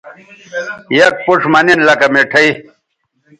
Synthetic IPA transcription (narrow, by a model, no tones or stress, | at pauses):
jɐk̚puʂmɐninlɐkɐmeʈʰɐi